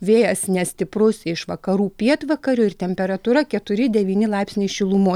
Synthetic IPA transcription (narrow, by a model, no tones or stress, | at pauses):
ʋʲeːjɛsnʲɛsʲt̪ʲɪpɾʊsɪʃʋɐkɐɾuːpʲiɛt̪ʋɐkɐɾʲʊɪɾt̪ʲɛmʲpʲɛɾɐt̪uɾɐkʲɛt̪ʊɾʲɪd̪ʲɛʋʲiːnʲɪlˠɑɪpsʲnʲɪʃʲɪlˠʊmoː